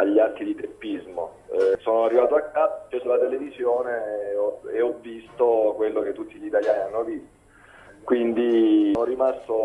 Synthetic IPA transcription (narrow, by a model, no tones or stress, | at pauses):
aʎːiark̪ːid̪it̪epːizmo | soːnoarːivaːt̪oakːakːeːsolat̪elevizjoːneɔeɔvːist̪okwelːoket̪ːut̪ːiʎit̪aljaːnianːovist̪o̥ | kwind̪inorimast̪o